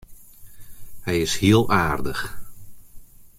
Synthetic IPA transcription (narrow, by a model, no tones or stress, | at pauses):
hɛjɪshiəlˠaːrdəx